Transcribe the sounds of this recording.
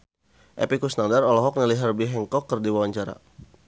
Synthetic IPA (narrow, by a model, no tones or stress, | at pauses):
ʔɛ̰pikusnandarɔlɔɦɔk̚niliɦɛrbiɦɛŋkɔkːərdiwawaɲt͡ʃaɾa̰